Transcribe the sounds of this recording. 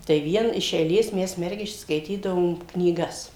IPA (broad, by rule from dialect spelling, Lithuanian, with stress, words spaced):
tɐɪ ˈʋʲiɛn ɪʃ ɛɪˈlʲeːs ˈmʲɛs ˈmʲɛrʲɡʲɪʃʲt͡ʃʲoːs skɐɪˈtʲiːdɐʋoːm knʲiːˈɡɐs